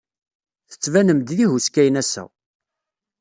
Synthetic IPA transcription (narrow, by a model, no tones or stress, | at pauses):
θə̥t͡sːvænəmd̪ðihuskæjnæsæ̰